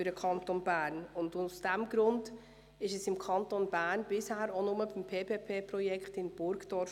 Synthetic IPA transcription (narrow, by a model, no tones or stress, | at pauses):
ɨɾdəkʰɑntonbæːɾnʊndʊsd̥ɛmɡɾʊnd | ɪʃɛsɪmkʰɑntonbæːɾnbɪshæːɾonʊməbɪmpʰeːpeːpʰeːprɔjɛkχtɪnb̥ʊɾkd̥ɔɾf